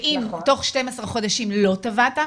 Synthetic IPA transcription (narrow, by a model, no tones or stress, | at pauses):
ʔimto̞χʃtemasʁaχo̞daʃimlo̞t̪avat̪a